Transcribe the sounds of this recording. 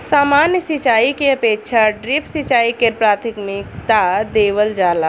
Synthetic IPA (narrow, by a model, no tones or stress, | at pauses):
saːmaːnjəsit͡ʃaːikeəpeːkʃʰaɖɾipʰsit͡ʃaːikeɾpɾaːt̪ʰikmikt̪ad̪eːʋəld͡ʒaːla